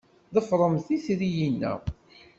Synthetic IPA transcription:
ðəfɾˤəmθiθɾijinːæ̰

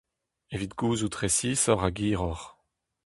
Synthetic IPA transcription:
evit̪ɡuːzut̪ʁesisɔʁaɡiːʁɔʁ

